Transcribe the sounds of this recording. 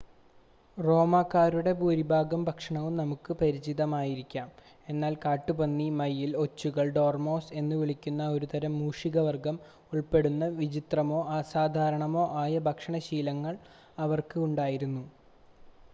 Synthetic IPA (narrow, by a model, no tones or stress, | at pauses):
ro̞ːmaːkːaːɾuɽe̞puːɾibʱaːɡɐmbʱɐkʂɐɳɐʋumnɐmukːɨpɐɾit͡ɕiðɐmaːjiɾikʲːaːm | e̞nːaːlkaːʈːubɐnːimɐjːilo̞t͡ɕːuɣɐɭɖo̞ːrmo̞ːse̞nːɨʋiɭikʲːunːɐo̞ɾut̪ɐɾɐmːuːʂiɣɐʋɐrɡɐm | uɭpe̞ɽunːɐʋid͡ʑit̪rɐmo̞ːasaːd̪ʱaːɾɐɳɐmo̞ːʔaːjɐbʱɐkʂɐɳɐɕiːlɐŋːɐɭ | ɐʋɐrkɨuɳɖaːjiɾunːu